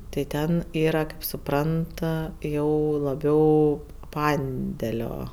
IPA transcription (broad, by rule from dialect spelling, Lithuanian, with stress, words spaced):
tɐɪ ˈtʲɛn ˈiːrɐ kɐɪp sʊˈprɐnt ɐ ˈjɛʊ lˠɐˈbʲɛʊ ˈpɐnʲdʲɛlʲoː